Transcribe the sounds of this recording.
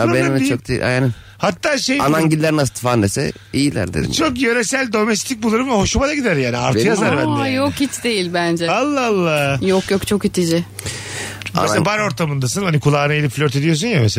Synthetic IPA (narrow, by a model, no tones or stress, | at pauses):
abeɛt͡ʃok̚d̪eḭʔa̰jani | hat̪ʰːaːʃejanaɲɟilʲːeɾinast̪ʰi̥fand̪esɛ̰ | ijilʲæ̰ɾd̪ed̪̰t͡ʃʰokjøɾɛsælʲd̪o̞mɛst̪ʰic̚bulˠuɾɯmvɛho̞ʃumad̪aɟid̪æɾjaːnia̰ɾtʰɯjazaɾbanjokhit͡ʃd̪ejilʲbænd͡ʒɛalˠːaalˠːajokjokt͡ʃʰokit̪ʰid͡ʒɪ | ma̰esbaɾo̞ɾt̪ʰamɯnd̪asɯnhanikʰulˠaːnɯelʲipflʲøɾt̪e̞d̪ijo̞s̬unjamese